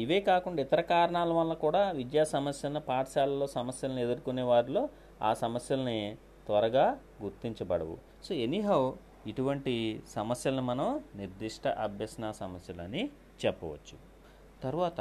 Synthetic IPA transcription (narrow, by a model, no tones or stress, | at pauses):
iʋeːkaːkuɳɖaːit̪ɐɾɐkaːɾɐɳaːlɐʋɐlːɐkuːɽaːʋid͡ʒ̪jaːsɐmɐsjɐlɐnipaːʈʂjaːlɐlo̞ːsɐmɐsjɐlɐnie̞d̪uɾukuneːʋaːɾilo̞ː | a̰ːsɐmɐsjɐlɐni | t̪ʋɐɾɐɡaː | ɡuɾt̪iɲt͡ʃɐbɐɽɐ̰ʋṵ | soːe̞niɦɐw | iʈuʋɐɳʈisɐmɐsjɐlɐnimɐnɐmniɾd̪iʂʈʰɐʔɐbʱjɐsɐnaːsɐmɐsjɐlɐni | t͡ʃɛpːɐʋɐ̰t͡ʃːu̥ | t̪ɐɾuʋaːt̪ɐ